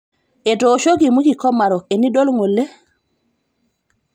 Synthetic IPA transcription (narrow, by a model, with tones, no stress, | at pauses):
ʔɛ˨doːʃo˦ɡimu˦ki˨kɔ˦ma˨ɾɔ˨eni˦ɗo˦lŋolːɛ˦